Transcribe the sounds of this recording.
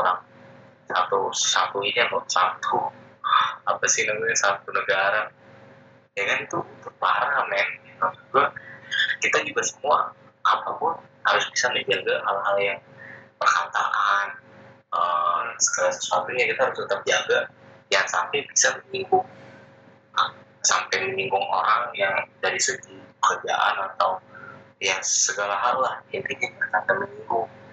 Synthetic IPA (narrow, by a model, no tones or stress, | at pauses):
oɾaŋ | sat̪usa̰t̪uinamosat̪ʰu | apasɪhnaɡuɲasat̪unəɡaɾa | jakanit̪uut̪ʊk̚paɾamɛnauɡa | kit̪ad͡ʒuɡasəmua̰ | ʔapapʊnha̰ɾʊsbisamid͡ʒaɡaɦalɦaljaŋpərka̰t̪a̰ʔan | əsəɡ̥alasə̥suat̪uɲakit̪ahaɾʊst̪ət̪ap̚d͡ʒaɡajaŋsa̰mpajbisaməɲiŋɡʊŋ | a̰ | sa̰mpajməɲiŋɡʊŋo̰ɾaŋjaŋdaɾisəd͡ʒipəkərd͡ʒa̰ʔa̰nat̪awjasəɡalaɦalːahadikɪt̪̚bəkat̪aməɲiŋɡʊŋ